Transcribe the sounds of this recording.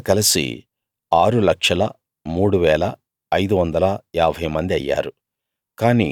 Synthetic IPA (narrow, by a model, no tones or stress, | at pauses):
kɐlɐsḭ | aːɾulɐkʂɐlɐ | muːɽuʋɛːlɐː | jd̪uʋɐnd̪ɐlɐaːbʱɐjmɐnd̪iɐ̰jːa̰ːɾu | kaːnḭ